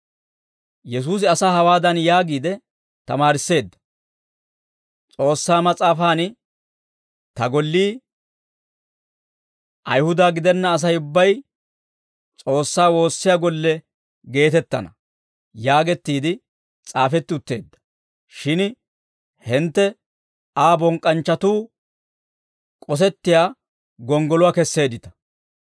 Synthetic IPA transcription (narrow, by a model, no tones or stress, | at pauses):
jɛs̬uːs̬ɪɐsaːɦɐwaːd̪ɐnjaːɡiːd̪ɛ | t̪ɐmaːɾɪsːe̞ːd̪ːɐ̥ | t͡sʼo̞ːsːaːmɐt͡sʼaːfaːn | t̪ɐɡɔlːiː | ʔɐ̰jhʊd̪aːɡɪd̪ɛnːɐːs̬ɐjʊbːɐj | t͡sʼo̞ːsːaːwo̞ːsːɪjaːɡɔlːɛ | ɡe̞ːt̪ɛt̪ːɐ̰nɐ | jaːɡɛt̪ːiːd̪ɪ | t͡sʼaːfɛt̪ːɪʊt̪ːe̞ːd̪ːɐ̥ | ʃɪn | hɪnt̪ːɛ | aːbɔŋkʼɐnt͡ʃːɐt̪uː | kʼɔs̬ɛt̪ːɪjaː | ɡɔŋɡɔlʊwaːkɛsːe̞ːd̪ɪt̪ɐ̥